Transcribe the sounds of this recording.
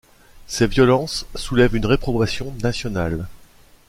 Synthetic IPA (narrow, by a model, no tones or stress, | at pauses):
sevjɔlɑ̃sːulɛvynʁepχɔvasjɔ̃nasjɔnal